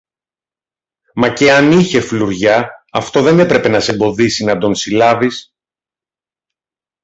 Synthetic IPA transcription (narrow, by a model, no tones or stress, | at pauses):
mɐce̞ɐniçe̞fluɾʝɐːft̪o̞ðe̞ne̞pɾe̞pe̞nɐse̞mbo̞ðisinɐd̪o̞nsilɐvis